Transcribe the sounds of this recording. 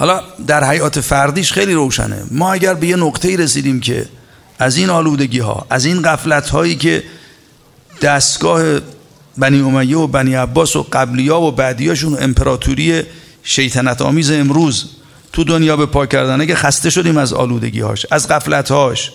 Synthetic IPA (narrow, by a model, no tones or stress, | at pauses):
hɒːlɒd̪æɾhæjɒːt̪ʰe̞fæɾd̪iːʃxejliːɾo̞wʃæ̰nḛmɒːæɟæɾbe̞je̞noqt̪ʰe̞iːɾesiːd̪iːmkʰe̞̰ | ʔæziːnɒːluːd̪e̞ɟiːɦɒ̰ːʔæziːnɢæflæt̪ʰhɒːjiːce̞̰ | d̪̥æst̪ɡɒːhe̞ | bæniːo̞mæjːeobæniːæbːɒːso̰ɢæblijɒːvobæːd̪ijɛːʃ̬uːnḛmpʰeɾɒːt̪ʰuɾije̞ | ʃe̞jt̪ʰænæt̪ʰɒ̰ːmiːzeːmɾuːz | t̪ʰud̪onjɒːbe̞pʰɒːcʰæɾd̪ænæɡæxæst̪e̞ʃo̞d̪iːmæzɒ̰ːluːd̪e̞̰ɟḭːhɒ̰ːʃæzɡæflæt̪hɒːʃ